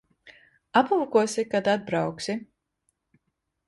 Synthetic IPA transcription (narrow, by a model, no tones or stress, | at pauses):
apulˠkuɔsikad̪ad̪̚bɾawksi